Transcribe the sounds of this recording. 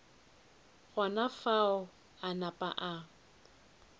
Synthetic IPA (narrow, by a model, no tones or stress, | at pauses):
ɣanafaʊ | anapʼa̰ʔa